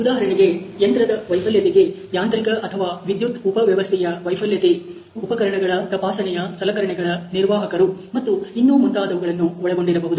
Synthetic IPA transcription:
ud̪aːɦɐɾɐɳiɡe̞ent̪ɾɐd̪ɐʋɐjpʰɐljɐt̪eɡe̞ | jaːnt̪ɾikɐʔɐt̪ʰɐʋaːʋid̪jut̪upɐʋjɐʋɐst̪ʰɛjɐʋɐjpʰɐljɐt̪e | upɐkɐɾɐɳɐɡɐɭɐt̪ɐpaːsɐɳɛjɐsɐlɐkɐɾɐɳɛɡɐɭɐniɾʋaːɦɐkɐɾumɐt̪ːuinːuʋmunt̪aːd̪ɐʋuɡɐɭɐnːuɔɭɛɡoɳɖiɾɐbɐɦud̪u

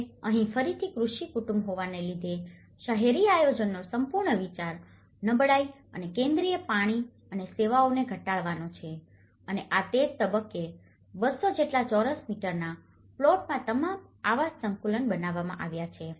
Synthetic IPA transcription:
əɦĩfəɾit̪ʰikɾuʃikuʈumbɦoʋanelid̪ʱe | ʃaɦeɾiajod͡ʒənːosəmpuɾɳəʋit͡ʃaɾ | nəbɭaiənekẽnd̪ɾijəpaɽ̃i | əneseʋaoneɡʱəʈaɭʋanot͡ʃʰe | əneʔat̪ed͡ʒt̪əbəkːe | bəsod͡ʒeʈlat͡ʃɔɾəsmiʈəɾna | ploʈmãt̪əmamaʋassə̃ŋkulənbənaʋamã̰ʔaʋjat͡ʃʰe

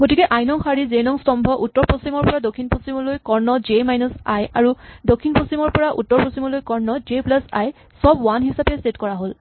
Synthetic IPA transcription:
ɡotikɛʔajnɔŋxaɹizenɔŋstɔmbʱɔʔutːɔɹpɹosimɔɹpɔɹadokʰːinpɹosimɔlojkɔɹnɔd͡ʒemajnusajaɹudokʰːinposimɔɹpɔɹaʔṵtːɔɹpɹosimɔlojkɔɹnɔd͡ʒeplasa̰j | sɔbwanɦisapɛstetkɔɹaɦol

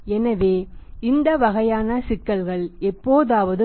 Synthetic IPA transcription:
ɛnɐʋeːɪnd̪ɐʋɐɣɐjaːnɐsɪkːɐlɣɐɭɛpːoːðaːʋɐðɯ

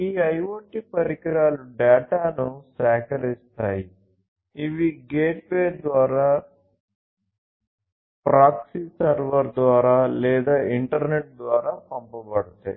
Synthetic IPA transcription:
iːɐjʋɐɳʈipɐɾikiɾaːluɖɛːʈaːnusɛːkɐɾist̪aːji | iʋiɡeːʈ̚beːɾd̪ʋaːɾaː | pɾaːksisɐɾʋɐɾd̪ʋaːɾaːlɛːd̪aːiɳʈɐɾneʈ̚d̪ʋaːɾaːpɐmpɐbɐɽut̪a̰ː

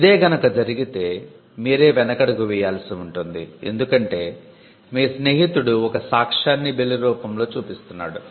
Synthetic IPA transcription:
id̪e̞ːɡɐnɐkɐd͡ʒɐɾiɡit̪e̞ː | miːɾe̞ːʋɛnɐkɐɽɐkuʋijaːlsiuɳʈund̪ḭe̞̰nd̪ukɐɳʈe̞ː | miːsne̞ːɦit̪uɽuɔkɐsaːkʂaːnːibeliɾuːpɐmlo̞ːt͡ʃuːpist̪unːa̰ːɽu

